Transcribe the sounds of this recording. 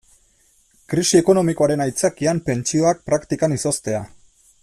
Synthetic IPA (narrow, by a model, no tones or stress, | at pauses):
kɾisie̞ko̞no̞mikoaɾe̞najt͡sakiampe̞nt͡ʃio̞ak̚pɾakt̪ikaniso̞st̪e̞a